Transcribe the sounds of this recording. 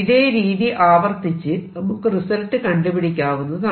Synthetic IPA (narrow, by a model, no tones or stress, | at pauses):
iðeːɾiːðiʔaːʋɐrt̪it͡ɕːɨnɐmukːɨrisɐlʈːɨkɐɳɖupiɽikʲːaːʋunːɐðɨnɐ